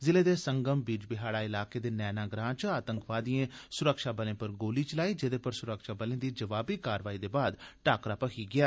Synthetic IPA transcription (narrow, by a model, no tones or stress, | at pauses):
zɪleːd̪eːsəŋɡəmbiːd͡ʒbɪɦaːɽaːɪlaːkeːd̪eːnɛːnaːɡɾãːt͡ʃaːt̪ə̃ŋkʋaːd̪ijẽːsʊɾəkʃaːbəlẽːpəɾɡoːliːt͡ʃəlaːiːd͡ʒɪd̪eːpəɾsʊɾəkʃaːbəlẽːd̪iːd͡ʒəʋaːbiːkaːɾʋaːiːd̪eːbaːd̪ʈaːkɾaːpəkʰiːɡɪaː